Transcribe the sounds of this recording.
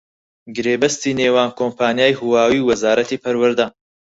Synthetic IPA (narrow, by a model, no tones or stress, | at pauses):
ɡɨɾeːbɐst̪iːneːwaːnkʰoːmpʰaːnijaːjhuwaːwiːwɐzaːɾɐt̪iːpʰɐɾwɐɾd̪a